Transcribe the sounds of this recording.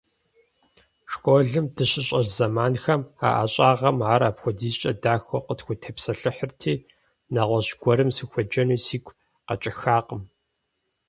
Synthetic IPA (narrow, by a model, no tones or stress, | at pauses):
ʂkʷʼoːɮɨmdɨɕɪɕʼɐrzɐmaːnxɐma̰ːʔa̰ɕʼaːʁɐmaːɾaːpxʷɔdiːɕʼɐdaːxɔqətxʷʊtʰɐpsɐɬɨħərtʰiː | naʁʷɔʑɡʷɔɾɨmsɨxʷɔd͡ʒɐnuːsiːkʷʰ | qɐt͡ʃʼɪxaːqəm